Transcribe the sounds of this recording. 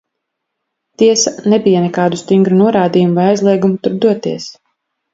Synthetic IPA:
t̪iɛsanɛbijanɛkaːd̪ust̪iŋɡɾunuɔɾaːd̪ijumuvajajzlˠiɛɡumut̪uɾd̪uɔt̪iɛs

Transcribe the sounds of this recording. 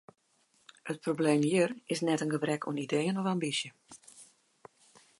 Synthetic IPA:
hət̚probleːmjiərɪsnɛtənɡəbrɛkʰo̰nideːənɔfambisjə

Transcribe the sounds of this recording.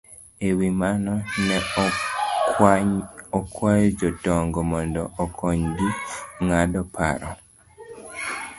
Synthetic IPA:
ewimanɔnɛ | ɔkwajɔd͡ʒɔtɔŋɡɔmɔndɔːkʰɔɲɡiŋadɔpʰa̰ɾɔ̰

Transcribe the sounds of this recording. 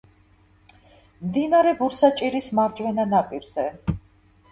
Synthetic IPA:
md̪inaɾɛbuɾsat͡ʃʼiɾismaɾd͡ʒwɛnanapʼiɾz̥ɛ

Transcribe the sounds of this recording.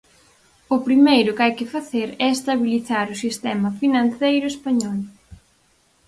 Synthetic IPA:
ʊpɾimejɾʊkajkɪfaθeɾɛest̪aβiliθaɾʊsist̪ɛmɐfinãnθejɾʊespaɲɔl

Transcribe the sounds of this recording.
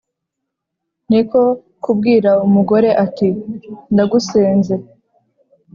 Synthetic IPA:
niko̞ | kub̚ɡiːɾaumuɡo̞ɾe̞ʔatindaɡuseːnze̞

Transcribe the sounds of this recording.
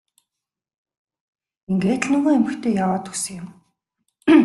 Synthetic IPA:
eŋɡeːt̪ɮnʊɣoːemɘ̆xt̪ʰeːjawaːt̪ɵsə̆ŋɪ̆m

